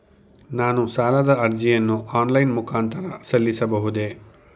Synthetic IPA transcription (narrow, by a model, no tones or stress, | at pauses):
naːnusaːlɐd̪ɐɐɾd͡ʒijɐnːuaːnlɐjnmukʰaːnt̪ɐɾɐsɐlːisɐbɐɦud̪e̞